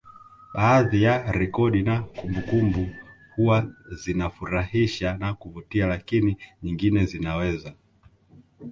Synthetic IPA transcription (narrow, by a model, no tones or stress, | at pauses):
ɓaːðijaɾɛkɔɗinakumbukumbu | huwazinafuɾahiʃanakuvutialakiniɲiŋɡinɛzinawɛza